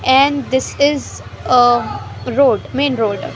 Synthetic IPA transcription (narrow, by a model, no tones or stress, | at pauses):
ɛ̃ɳɖd̪ɪsɪz | ə | ɾoːɖmẽːnɾoːɖ